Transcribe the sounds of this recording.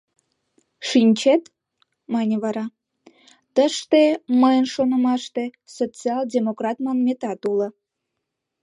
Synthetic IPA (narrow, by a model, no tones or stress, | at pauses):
ʃinʲt͡ɕet̪ | mɑnʲeβɑɾɑ | t̪əʃt̪eməjənʃonə̆mɑʃt̪e | sot͡siɑldʲemokrɑt̪mɑmmʲːet̪ɑt̪ulə̆